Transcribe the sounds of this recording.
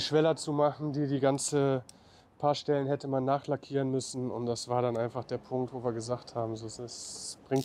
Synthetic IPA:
ʃv̥ɛlɐt͡sumaχn̩diːdiːɡant͡sə | pʰaːɐʃtɛlənhɛtəmanːaːχlakʰiːʁənmʏsn̩ʊ̰ntd̥asv̥aːɐɾanʔaɪnfaχd̥eːɐpʰʊŋk̚tv̥oːviːɐɡəzaːχthaːbm̩zoːsɛsb̥ʁɪŋt

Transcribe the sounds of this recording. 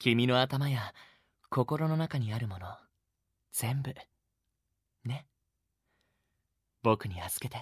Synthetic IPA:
kʲimʲino̞at̪amaja | ko̞ko̞ɾo̞nonakaɲ̟iaɾɯ̟mo̞no̞ | d͡z̥ẽ̞mbɯ̟ | ne̞ | bo̞kɯ̟ɲ̟iazɨ̥ke̞t̪e

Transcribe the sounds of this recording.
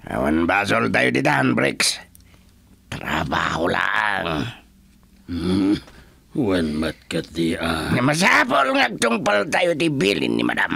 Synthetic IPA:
a̰wa̰nbasɔlt̪ajut̪it̪anbɾḭks | t̪rabahula̰ʔaŋ | wanmat̪̚kat̪iʔaŋamas̬apɔlŋak̚t̪uŋpəlt̪ajut̪ibilḭnːḭma̰dam

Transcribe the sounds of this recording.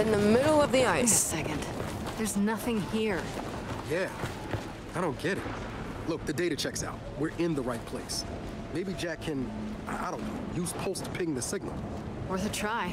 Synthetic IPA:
ɨ̃nðəmɪɾl̩ˠʌvðiaɪssɛkɨ̃nd | ðə˞znʌθɪ̃ŋhiɹ | jæ | aɪɾõʊ̃nɡ̥ɛɾɨ̰t̚ | lʊk̚ðɨdeɪɾɨt͡ʃʰɛksa̰ʊt̚wɪɹʔɪ̃nðəɹaɪt̚pʰl̥eɪs | meɪbid͡ʒækʰɨ̃n | aɪʔa̰ɪɾõʊ̃noʊjʉz̥pʰoʊstʰə̥pʰɪɡɪ̃ŋðɨsɪɡ̚nl̩ˠ | wə˞θɨtʰɹ̥aɪ

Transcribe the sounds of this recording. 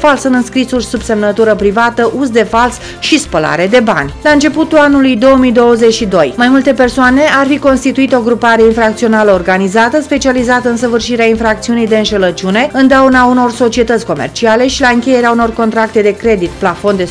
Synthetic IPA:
falsɨnɨnskɾisurʲsubse̞mnət̪uɾəpɾivat̪əʔuzd̪e̞fals | ʃispəla̰ɾe̞d̪e̞ba̰nʲlaɨnt͡ʃe̞put̪ulanulujd̪o̞wəmijd̪o̞wəze̞t͡ʃʃid̪o̞jmajmult̪e̞pe̞rsoane̞ʔarfiko̞nst̪it̪uit̪o̞ɡɾupaɾe̞infɾakt̪sio̞naləorɡanizat̪əspe̞t͡ʃializat̪əɨnsəvɨrʃiɾeainfɾak̚t̪siunijd̪e̞ɨnʃelət͡ʃune̞ɨnd̪aunauno̞rso̞t͡ʃie̞t̪ət̪sʲko̞me̞̰rt͡ʃiale̞ʃilaɨŋkʲe̞je̞ɾeauno̞rko̞nt̪ɾak̚t̪e̞d̪e̞kɾe̞d̪it̪plafo̞nd̪e̞

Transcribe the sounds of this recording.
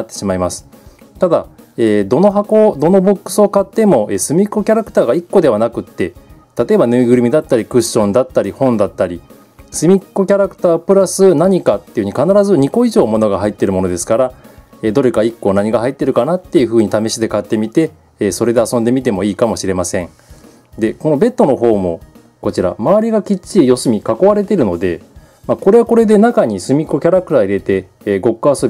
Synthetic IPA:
at̪ːeɕimaimasɨ̥ | t̪ad̪a | eːd̪o̞no̞ɦako̞d̪o̞no̞bo̞kːɯ̟̥sɨo̞kat̪ːe̞mo̞ʔeːsɨmʲikːo̞kʲaɾakɯ̥t̪aːɡaikːo̞d̪e̞β̞anakɯ̟t̪ːe̞t̪at̪o̞e̞banɯiɡɯ̟ɾimʲid̪at̪ːaɾʲikɯ̟ɕːõ̞nd̪at̪ːaɾʲihõ̞nd̪at̪ːaɾʲi | sɨmʲikːo̞kʲaɾakɯ̟̥t̪aːpɯ̟ɾasɨnaɲ̟ikat̪ːe̞jɯ̟ɲikanaɾazɨɲ̟iko̞iʑo̞ːmo̞no̞ɡaɦait̪ːe̞ɾɯ̟mo̞no̞d̪e̞sɨ̥kaɾa | ed̪o̞ɾe̞kaikːo̞ːnaɲ̟iɡaɦait̪ːe̞ɾɯ̟kanat̪ːe̞jɯ̟ɸɯ̟ːɲ̟it̪ame̞ɕid̪e̞kat̪ːe̞mʲit̪e̞ː | so̞ɾe̞d̪e̞asond̪e̞mʲit̪e̞mo̞iːkamo̞ɕiɾe̞masẽ̞ŋ | d̪e̞ko̞no̞be̞t̪ːo̞no̞ɦo̞ːmo̞ | ko̞t͡ɕiɾa̰maβaɾʲiɡakʲit͡ɕijo̞sɨmʲikako̞βaɾe̞t̪̬e̞ɾɯ̟no̞d̪e̞ | mako̞ɾe̞βako̞ɾe̞d̪e̞nakaɲ̟isɨmʲikːo̞kʲaɾakɯ̟t̪aːiɾe̞t̪e̞ | ɡo̞kːɯaso

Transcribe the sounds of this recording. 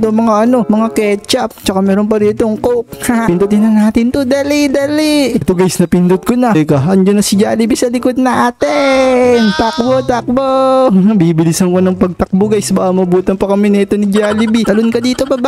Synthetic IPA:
t̪omɐŋaʔɐno̞mɐŋakɛt͡ʃɐp̚t͡ʃɐkamɛːɾonp̬ɐɾiːt̪oŋkokhapɪnd̪ʊd̪ɪnɐnaːt̪ɪnt̪od̪ɐlid̪ɐliʔt̪oɡɐjsnɐpɪnd̪ʊd̪̚konɐkɐɐnd͡ʒɐnːɐsɪd͡ʒa̰ːlɪbisɐlɪkod̪̚nɐʔat̪ɪnt̪ak̚bot̪ak̚bonɐbiːbɪlɪsɐŋkonɐŋpɐɡ̚t̪ɐk̚boɡɐjsbaʔɐmɐbuːt̪ɐŋpɐkɐmɪnɛːt̪onɪd͡ʒaːlɪbit̪ɐlonkɐd̪iːt̪o̞bɐba

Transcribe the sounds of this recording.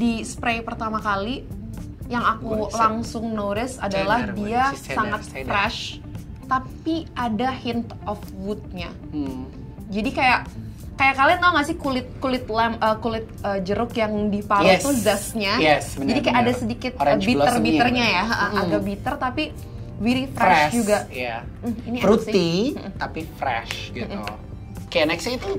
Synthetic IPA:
dispɾajpərt̪amakali | jaŋakulaŋsʊŋnoɾɛsadalahdiasaŋat̪̚fɾɛʃ | t̪apiadahɪnt̪ɔfwut̪̚ɲa | d͡ʒadikajaʔ | kajaʔkaliŋɡaŋasɪhkulɪt̪̚kulɪt̪lɛməkulɪt̪̚əd͡ʒəɾʊkjaŋdipaɾaɛsuzasɲajɛsəd͡ʒadikajaadasədikɪt̪̚ɾabit̪ərbit̪ərɲajaəʔəhaɡabit̪ərt̪api | wiɾifɾɛɛʃʃd͡ʒuɡaja | iniaɾut̪im̩t̪apifɾɛ̰ʃɡitu | kanɛksait̪u

